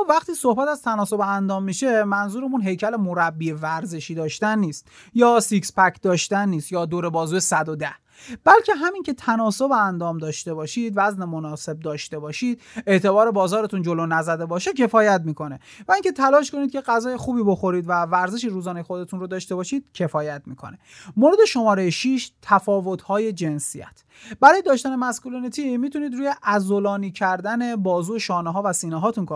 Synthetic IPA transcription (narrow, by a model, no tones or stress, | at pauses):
væχt̪iːso̞hbæt̪æz̥t̪ʰænɒːso̞beænd̪ɒːmːiʃe̞mænzuːɾemunɦe̞jcʰælemoɾæbːievæɾze̞ʃiːd̪ɒːʃt̪ænːiːst̪jɒːsikspæcʰd̪ɒːʃt̪ænːiːst̪jɒːd̪oːɾe̞bɒːzuːesæd̪od̪æh | b̥ælcʰe̞ɦæmincʰe̞t̪ʰænɒːso̞beænd̪ɒːmd̪ɒːʃt̪e̞bɒːʃiːd̪væzne̞mo̞nɒːse̞b̚d̪ɒːʃt̪e̞bɒːʃiːd̪̚e̞ʔt̪ʰe̞bɒːɾe̞bɒːzɒːɾe̞t̪ʰund͡ʒo̞lonæzæd̪e̞bɒːʃecʰe̞fɒːjæt̪miːko̞ne̞ | væiŋcʰe̞t̪ʰælɒːʃko̞nid̪̚cʰʲe̞ɢæzɒːjexuːbiːboxo̞ɾiːd̪vævæɾze̞ʃ̬iːɾuːzɒːnejexod̪e̞t̪ʰunrod̪ɒːʃt̪e̞bɒːʃiːd̪̥cʰe̞fɒːjæt̪miːkʰo̞̰ne̞moɾe̞d̪e̞ʃo̞mɒːɾejeʃiʃt̪ʰæfɒːvo̞t̪ʰhɒːje̞d͡ʒe̞nsijæ̰t̪ʰ | b̥æɾɒːje̞d̪ɒːʃt̪æne̞mæskulinet̪ʰimiːt̪ʰuniːd̪ɾuːjeʔæzolɒːniːcʰæɾd̪æne̞bɒːzuːeʃɒːneɦɒːvæsiːnɛɦɒːt̪ʰunk